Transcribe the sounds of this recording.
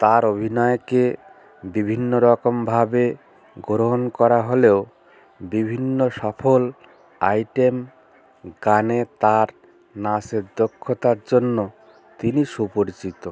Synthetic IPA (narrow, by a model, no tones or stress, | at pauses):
t̪aɾobʱinɔeke | bibʱinːoɾɔkombʱabe | ɡoɾɦonkɔɾaɦoleo | bibʱinːoʃɔfʰol | a̰jʈem | ɡanet̪aɾ | naseɾd̪okʰːot̪aɾd͡ʑonːo | t̪iniʃupoɾit͡ɕit̪o